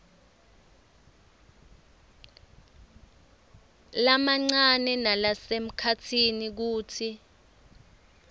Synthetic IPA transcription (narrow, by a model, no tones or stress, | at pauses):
lamaŋ͡ǀanɛnalasem̩kʰatʰinik̬uːtʰi